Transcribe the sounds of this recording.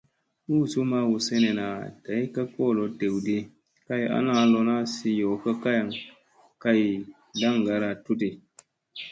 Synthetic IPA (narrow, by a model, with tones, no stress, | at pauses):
u˦˨su˦ma˦wu˨se˦ne˨na˨ta˨i˦ka˦kɔ˦˨lo˨te˨wde˦ | ka˦ja̰˦na˦lo˨na˦si˦jo˨ka˦ka˦ja˨ŋ | ka˦j | da˦ŋɡa˨˦ɾa˨tu˦te˨